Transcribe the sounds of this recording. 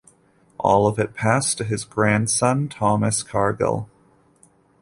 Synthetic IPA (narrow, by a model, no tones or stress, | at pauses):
ʔɔ̰lˠʌvɨt̚pʰæstʰɨɨzɡɹæ̃nd̥sʌ̃ntʰɑmɨskʰɑɹɡə̰lˠ